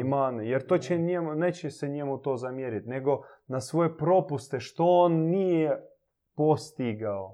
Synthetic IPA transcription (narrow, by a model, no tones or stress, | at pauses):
imaːnejeɾt̪ot͡ɕɛnɛmnet͡ɕɛsɛɲɛmut̪ozamjeɾit̪ʲneɡonasʋojepɾopust̪ɛʃt̪oonːije | post̪iɡao